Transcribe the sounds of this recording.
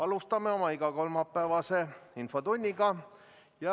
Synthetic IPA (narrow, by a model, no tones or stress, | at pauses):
ɑlust̪ɑme̞o̞mɑiɡ̥ɑko̞lmɑpˑːæːvɑse̞info̞t̪unʲːiɡɑ | jɑ